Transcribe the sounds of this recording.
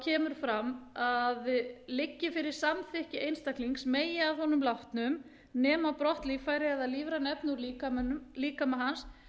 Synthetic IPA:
cʰɛːmʏɾ̥fɾamaðlɪcːɪfɪɾɪɾ̥samθɪhcɪejnst̪ahkliŋksmeːjɪaðhɔnʏmlaht̪nʏm | nɛːmapɾɔht̪liːfajɾɪaðaðliːvɾanɛpnuɾliːkamnmliːkamɛɦans

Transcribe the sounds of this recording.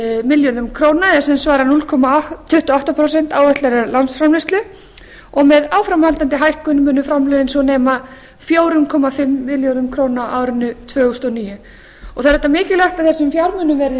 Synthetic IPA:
mɪljonʏmkʰɾoːwnaɛsɛmsvaːɾanulkʰɔmaːʏht̪ʏaht̪apʰɾowsɛn̥t̪aːwvɛht̪lɛɾaɾlansfɾamlɛst̪ʏ | ɔɣmɛðawfɾamhalt̪ant̪ɪɦajhkʏnmʏːnʏfɾamlœðɪnsɔnɛːma | fjoːwɾʏmkʰɔmafɪmːɪljownʏmkʰɾoːwnaʔaːwɾɪnːʏt̪ʰvœːɣʏst̪ɔniːjʏ | ɔɣθaðɾɛt̪ːamɪːcɪlar̥t̪aðθɛsʏmfjawɾmʏːnʏmvɛɾðɪ

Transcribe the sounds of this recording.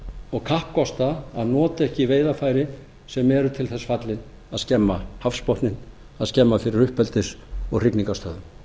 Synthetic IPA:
ɔɣkʰahpkɔst̪aːðnɔːt̪aɛhcɪveːjðafaːjɾɪ | sɛmɛɾʏt̪ʰɪlθɛsːfat̪lɪn | aðscɛmːahafspɔht̪nɪn | aðscɛmːafɪɾɪɾʏhpɛlt̪ɪɾ̥ɔɣr̥ɪkniŋkast̪œːðʏm

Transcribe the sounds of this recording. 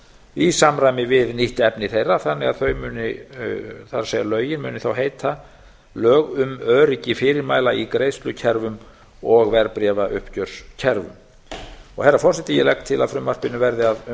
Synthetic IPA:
isamɾajmɪvɪðniht̪ɛpnɪθejrːaθanːɪɣaðθœɥmʏːnɪ | θaɾsɛɣalœːɥjɪnmʏ̰ːnɪθawɦeːjt̪ʰa | lœːɣʏmœːɾɪcɪfɪːɾɪɾmaːjlaikɾeːjst̪lʏcʰɛɾvʏm | ɔɣvɛɾpɾɛːvaʔʏ̰hpcœɾ̥scʰɛɾvʏ̰m | ɔɣhɛrːafɔr̥sɛt̪ɪjɛlɛkt̪ʰɪlaðfɾʏmːar̥pɪnʏvɛɾðɪað

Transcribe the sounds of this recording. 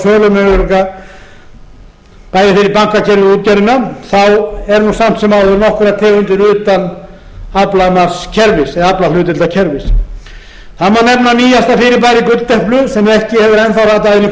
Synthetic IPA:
sœːlʏmɛʏɾka | paːjðɪfɪɾɪɾpaŋkacʰɛɾvɪuːt̪̚cɛɾɪnaθawɛɾnusam̥t̪sɛmawðʏɾnɔhkvɛɾat̪ʰɛːɣʏnt̪ɪɾʏːt̪an | aplamaɾ̥scʰɛɾvɪsɛðaplalʏːt̪ɪlt̪acʰɛɾvɪs | θamanɛmnaniːjast̪afɪɾɪɾp̬aːjɾɪkʏt̪t̪ɛhplʏsɛmɛhcɪhɛvðɪɾɛnθawɾat̪aɪni

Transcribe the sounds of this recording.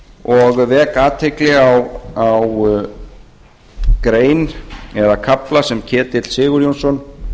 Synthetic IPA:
ɔɣvɛːkaːt̪ʰejklɪɣawaw | kɾeːjnɛðakʰaplasɛmcʰɛːt̪ɪt̪lsɪːɣʏɾjownsɔn

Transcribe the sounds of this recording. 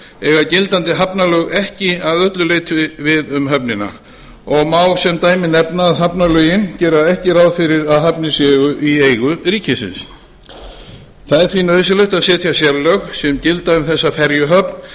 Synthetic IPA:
ɛɣacɪlt̪ant̪ɪɦapnalœɣɛhcɪaðœt̪lʏlejt̪ɪvɪðʏmɦœpnɪna̰ | ɔɣmaːwsɛmt̪aːjmɪnɛpnaːðɦapnalœjɪncɛːɾaɛhcɪɾawðfɪɾɪɾaðɦapnɪsjɛːɣʏʔieːjɣʏɾiːcɪsɪ̰ns | θaðɛɾ̥θvinœɥðsɪlœɥht̪aðsɛːt̪ʰjasjɛɾlœxsɛmcɪlt̪aʏmθɛsːafɛɾjʏɦœpn̥

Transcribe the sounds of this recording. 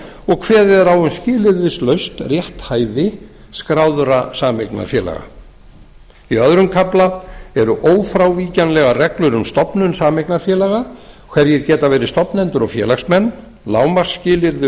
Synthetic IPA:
ɔɣkʰvɛːðɪɛɾawʏnscɪːlɪɾðɪslœɥst̪rjɛht̪haːjðɪ | skɾaːwðʏɾasaːmejkna̰ɾ̥fjɛ̰ːla̰ɣa̰ | iœðɾʏmkʰaplaɛɾʏʔoːwfɾawviːcanlɛɣarɛklʏɾʏmst̪ɔpnʏnsaːmejknaɾ̥fjɛːlaɣakʰvɛɾjɛɾcɛːt̪avɛːɾɪst̪ɔpnɛnt̪ʏɾɔfjɛːlaxsmɛnː | laːwmaɾ̥scɪːlɪɾðɪ

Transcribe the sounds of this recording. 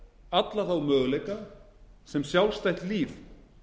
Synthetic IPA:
at̪laθawmœːɣlejka | sɛmsjawlst̪ajçt̪liːf

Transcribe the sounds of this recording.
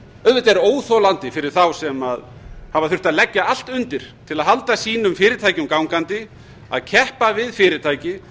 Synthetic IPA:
œðvɛt̪ɛɾoːwθɔlant̪ɪfɪɾɪɾ̥θawsɛmaðhavaθʏr̥t̪aðlɛcːaal̥t̪ʏnt̪ɪɾ̥t̪ʰɪlaðɦalt̪asiːnʏmfɪːɾɪɾt̪ʰaːjcʏmkawŋkant̪ɪ | a̰ðcʰɛhpavɪðfɪːɾɪt̪ʰaːjcɪ

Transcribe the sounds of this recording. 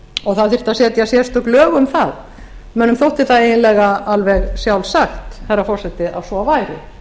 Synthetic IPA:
ɔɣθaðθɪr̥t̪aðsɛːt̪jasjɛst̪ʏklœːɣʏmθað | mœːnːʏmθowht̪ɪθaðejɪnlɛɣaalvɛɣsjawlsaxt̪hɛrːafɔr̥sɛt̪ɪawsɔvaːjɾɪ̰

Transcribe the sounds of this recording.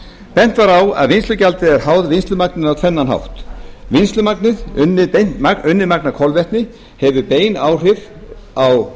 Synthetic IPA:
pɛn̥t̪vaɾawa̰ðvɪnst̪ʏcalt̪ɪðɛɾ̥haːwðvɪnst̪lʏmaknɪnawk̪ʰfɛnːanɦa̰wht̪vinst̪lʏmaknɪðʏnːɪt̪enaʏnːɪmaknakʰɔlvɛht̪nɪ | hɛvʏpeːjnawr̥ɪɾ̥ | aw

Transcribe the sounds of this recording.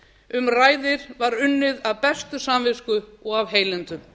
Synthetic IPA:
ʏmraːjðɪɾvaɾʏnːɪðavpɛst̪ʏsaːmvɪskʏɔɣavɦeːjlɛnt̪ʏ

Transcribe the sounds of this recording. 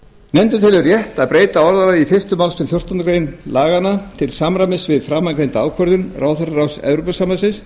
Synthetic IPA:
nɛmt̪ʏt̪ʰɪlʏrjɛht̪aðpɾeːjt̪aɔɾðaɾaifɪrst̪ʏmawlsʏmfjɔr̥t̪ɔnkɾejnlaːɣanat̪ʰɪlsamɾamɪsvɪðfɾaːmːaŋkɾejnt̪aaːwkʰvœɾðʏnraːwθœɾaɾawsɛ̰vɾupasamasɪns

